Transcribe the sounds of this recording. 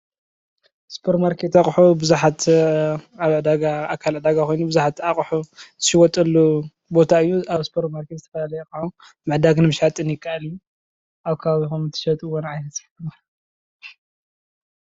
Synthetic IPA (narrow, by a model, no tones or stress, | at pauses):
spʰoɾmaɾkʰet̪aχʼħubɨzuħat̪ | aβʕɨd̪aɡaakʰalʕɨd̪aɡakʰojnubɨzuħat̪aχʼħut̪ʰɨ̥ʃɪwɔt̪ʼɐlːu | bo̞t̪ʰaɨjːuaβspʰoɾtmaɾkezɨt̪ʰɐfɐlalɐjɛkʼħu | mɨʕd̪aɡnɨmɨʃat̪ʼɨnjɪkʰːaʔaliju | ʔaβkʰaβaβixomt̪ʰɨ̥ʃɐt̪ʼɨwonʕajɐsħɨma